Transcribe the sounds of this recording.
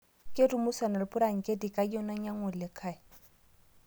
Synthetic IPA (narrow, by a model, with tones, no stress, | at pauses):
kʼɪ˦dʊ˨mʊ˦sa˨na˨lɪ˨pʼʊ˦ɾa˨ŋ̩˨kʼɪ˦di˨kʼa˨i˦ɔ˦na˦ɲa˦ŋʊ˨lɪ˨kʰaː˨ɪ˨